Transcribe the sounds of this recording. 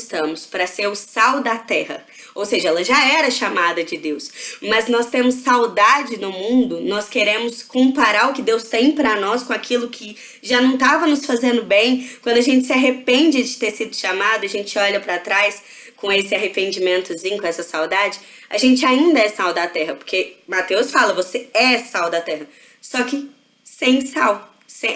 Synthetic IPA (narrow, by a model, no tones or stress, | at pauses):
st̪ɐ̃mʊspɾɐseɾʊsawd̪ɐt̪ɛhɐ̰ | owseʒɐɛlɐʒaɛɾɐʃamad̪ɐd͡ʒɪd̪ewsmɐznɔst̪ẽmʊsːawd̪ad͡ʒɪnʊmũnd̪ʊnɔskeɾẽmʊskõpaɾaɾʊkɪd̪ewst̪ẽj̃pɾɐnɔskõakʰilʊkʰɪ | ʒanɐ̃w̃t̪avɐnʊsfazẽnd̪ʊbẽj̃kwɐ̃nd̪ʊaʒẽnt͡ʃɪ̥sɪaɦepẽnd͡ʒɪd͡ʒɪt̪eɾsid̪ʊʃamad̪ʊiaɐʒẽnt͡ʃɪɔʎɐpɾɐt̪ɾajs | kõesɪaɦepẽnd͡ʒimẽnt̪ʊzĩɲʊkõɛsɐsawd̪ad͡ʒɪa̰ʒẽnt͡ʃɪaĩnd̪ɐɛsawd̪at̪ɛɦɐpoɾkemat̪ewsfalɐvoseɛsawd̪at̪ɛɦɐ | sɔkɪ | sẽj̃saw | sẽ